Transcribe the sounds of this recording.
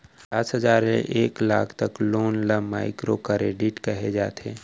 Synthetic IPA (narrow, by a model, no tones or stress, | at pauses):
d̪aːsɦəzaːɾmḛʔeːklaːkʰt̪ɐkloːnləmaːɪkɾokəɾeːɖɪʈkəɦed͡ʒaːt̪ʰeː